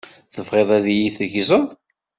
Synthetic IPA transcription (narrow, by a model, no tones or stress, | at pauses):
θəfʁeðˤæðjiθəʝzəðˤ